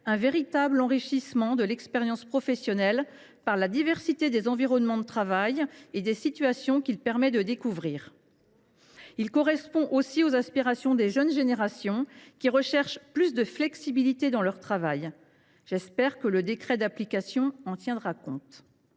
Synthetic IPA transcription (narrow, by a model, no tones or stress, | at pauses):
ɛ̃veʁit̪ablɑ̃ʁiʃismɑ̃d̪əlɛkspɛʁjɑ̃spχɔfɛsjɔnɛl | paʁlad̪ivɛʁsit̪ed̪ezɑ̃viʁɔnmɑ̃d̪ət̪χavajed̪esit̪ɥasjɔ̃kʲilpɛʁmɛd̪əd̪ekuvʁiːʁ | ilkɔʁɛspɔ̃ʔosiozaspiʁasjɔ̃d̪eʒənʒeneʁasjɔ̃kʲiʁəʃɛʁʃplysd̪əflɛksibilit̪ed̪ɑ̃lœʁt̪χavaj | ʒ̥ɛspɛʁkələd̪ekχɛd̪aplikasjɔ̃ɑ̃t̪jɛ̃d̪ʁakɔ̰̃t̪